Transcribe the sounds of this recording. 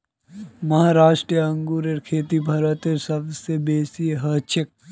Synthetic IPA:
mɐɦaːɾaːʃʈɾijəɐ̃ŋɡuːɾəɾkʰeːt̪ibʱɐɾət̪eɾsɐbsebeːsiɦɐt͡ʃʰək̚

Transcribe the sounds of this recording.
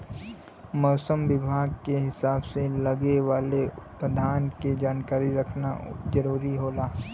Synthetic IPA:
mɔːsəmʋɪbʱaːɡ̚keɦɪsaːbselɐɡeʋaːleʊpəd̪ʱaːnked͡ʒaːnkaːɾiɾɐkʰna̰d͡ʒɐɾuːɾiɦoːlaː

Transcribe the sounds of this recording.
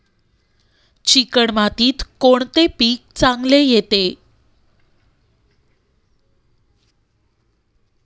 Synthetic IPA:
t͡ɕikəɳmat̪iːt̪koɳt̪epiːk̚t͡sãŋɡlejet̪e

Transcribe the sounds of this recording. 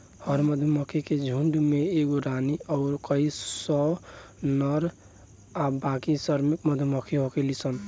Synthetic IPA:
həɾməd̪ʱməkʰiked͡ʒʱuɳɖmeeɡoɾaniɔːɾkəisɔ | nəɾ | abakisəɾmikməd̪ʱməkʰiɦokelisən

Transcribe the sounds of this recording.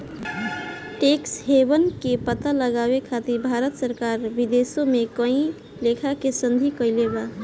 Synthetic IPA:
ʈeksɦebənkepət̪aləɡabekʰat̪iɾbʱaɾət̪səɾkaɾbid̪esõmekə̃ĩ | lekʰakesənd̪ʱikəjleba

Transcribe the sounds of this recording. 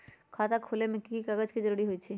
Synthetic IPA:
kʰaːt̪akʰoːlemɪ̃kikaɡəd͡ʒkid͡ʒəɾuːɾiɦoit͡ʃʰi

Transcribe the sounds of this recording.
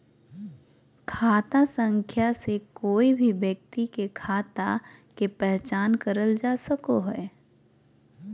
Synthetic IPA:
kʰaːt̪asə̃ŋkʰjasekoːibʱibjək̚t̪ikekʰaːt̪a̰kepɛɦt͡ʃaːnkəɾəld͡ʒaːsəkoɦɛː

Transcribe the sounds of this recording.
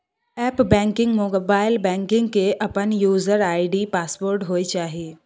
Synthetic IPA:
ɛːpbɛ̃ːŋkɪ̃ŋɡmoːbaːɪlbɛ̃ːŋkɪ̃ŋɡkeʔɐpənjuːzəɾaːɪɖiːpaːsboːɾʈɦoːet͡ʃaːɦieː

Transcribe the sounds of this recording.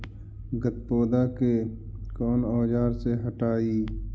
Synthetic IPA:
ɡət̪poːd̪ake | kɔːnoːd͡ʒaːɾseɦɐʈaːiː

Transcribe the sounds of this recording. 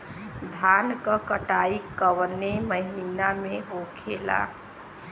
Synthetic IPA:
d̪ʱankəkəʈaikːəʋneməɦinameɦokʰela̰

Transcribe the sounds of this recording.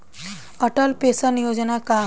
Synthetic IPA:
əʈəlpesənijod͡znaka

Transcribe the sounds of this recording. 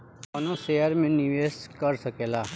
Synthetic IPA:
ɐnoseːəɾmẽnɪʋeːskəɾsəkeːlaː

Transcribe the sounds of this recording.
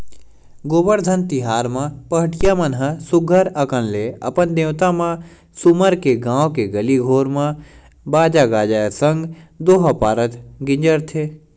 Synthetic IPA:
ɡoːbəɾd̪ʱənt̪iɦaːɾmãpəɦʈɪjamɐnɦəsʊɡʱəɾɐkənleɐ̰pənd̪ẽːwt̪amã | sʊməɾkeɡãːwkeɡɐliɡʱoːɾmã | baːd͡ʒaɡaːd͡ʒaːsə̃ŋɡd̪oːɦapaːɾət̪ɡɪ̃ɲd͡ʒəɾt̪ʰeː

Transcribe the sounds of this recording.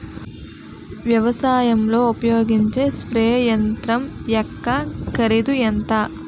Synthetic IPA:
ʋjɐʋɐsaːjɐmlo̞ːupɐjoːɡiɲt͡ʃeːspɾɐjɐjɐnt̪ɾɐmjɐkːakɐɾid̪ujɐnt̪ɐː

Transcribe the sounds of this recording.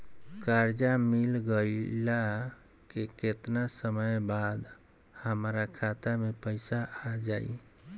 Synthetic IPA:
kaɾd͡ʒamilɡəla | keket̪nasəməjbad̪ | həmɾakʰat̪amepəɪsaad͡ʒaḭ

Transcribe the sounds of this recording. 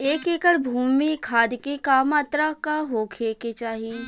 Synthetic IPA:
eːkeːkəɽbʱuːmikʰaːd̪kikaːmaːt̪ɾakaɦoːkʰeːket͡ʃaːɦi

